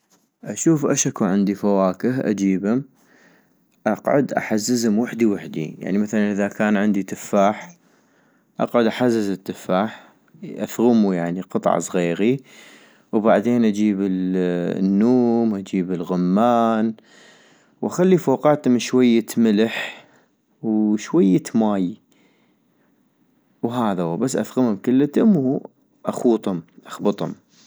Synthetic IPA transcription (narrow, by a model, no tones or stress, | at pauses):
ʔaʃuːfʔaʃakuʕɪnd̪ifawaːkəɦʔa̰d͡ʒiːbhʊm | ʔɑqʕʊ̰d̪ʔa̰ħazːəzhʊmwaħd̪iwɪħd̪ḭja̰ʕnimaθalanʔɪðakaːnʕɪnd̪it̪ɪfːaːħ | ʔɑ̰qʕʊd̪ʔaħazːɪzɪt̪ːɪfːaːħ | ʔa̰θɣʊmujaʕniqɨt̪ˤʕ̰sˤɣiːɾi | wbaʕd̪eːnʔad͡ʒiːbɪlnːuːmʔad͡ʒiːbɪlɣʊmːaːn | wʔaxalːifoːqɑːt̪ʊmʃwajːamɪləħ | wʃwajːamaːj | wɦaːðaabasːʔa̰θɣʊmhʊmkɪlːt̪ʊmw | ʔaxuːt̪ˤhʊmʔaxbɨt̪ˤhʊ̰m